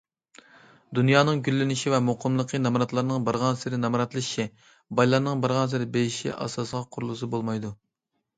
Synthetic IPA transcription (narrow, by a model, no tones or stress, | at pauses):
d̪unjɑːnɨŋɡʲylːɪnɪʃivɛmoqʰəmlˠəqʰənɑmɾɑt̪lˠɑɾnɨŋbɑɾʁɑnsɪɾɪnɑmɾɑt̪lˠɨʃi | bɑjlˠɑɾnɨŋbɑɾʁɑns̬ɪɾɪbejiʃḭʔɑ̰sɑsəʁɑqʰʊɾulˠɨs̬ɨbolˠmɑjd̪u